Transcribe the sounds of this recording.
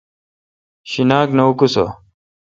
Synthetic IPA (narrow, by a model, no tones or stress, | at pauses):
ɕinaːknɐukuso̰